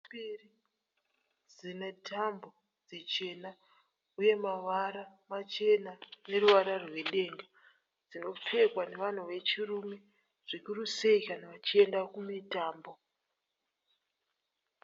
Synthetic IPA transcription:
iri | d͡zinetʰambo̞ | d͡zit͡ʃe̞na | uje̞maʋaɾamat͡ʃe̞nane̞ruʋaɾarwe̞ɗe̞ŋɡa | d͡zino̞p͡fe̞kwane̞ʋan̤uʋe̞t͡ʃirume̞ | ʐ̥ikuruseikanaʋat͡ʃie̞ndakumitaːmbo̞

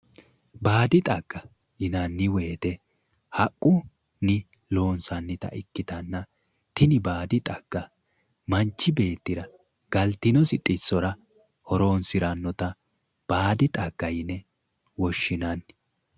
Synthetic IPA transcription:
baːd̪ɪt̪ʼɐɡ̥ːɐ | jɪnɐnːɪweːt̪ɛ | hɐkʼːʊ | nɪ | lo̞ːnsɐnːɪt̪ɐ̰ʔɪkːɪt̪ɐnːɐ | t̪ɪnɪbaːd̪ɪt̪ʼɐɡ̥ːɐ | mɐnt͡ʃːɪbe̞ːt̪ːɪɾɐ | ɡ̥ɐlt̪ːɪnɔsɪt̪ʼːɪsːɔɾɐ | hɔɾo̞ːnsɪɾɐnːɔt̪ɐ | b̥aːd̪ɪt̪ʼɐɡ̥ːɐjɪnɛ | wɔʃːɪnɐn

